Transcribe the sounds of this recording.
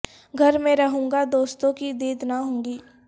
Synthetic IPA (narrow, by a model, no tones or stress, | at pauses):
ɡʱɐɾmẽɾɐɦũːŋɡad̪oːst̪õkid̪iːd̪naɦõːŋɡiː